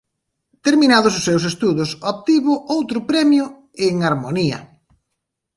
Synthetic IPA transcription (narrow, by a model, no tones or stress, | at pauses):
t̪eɾminaðʊsʊsːewsest̪uðʊsop̚t̪iβʊʔowt̪ɾʊpɾɛmjʊ | eŋaɾmoniɐ̰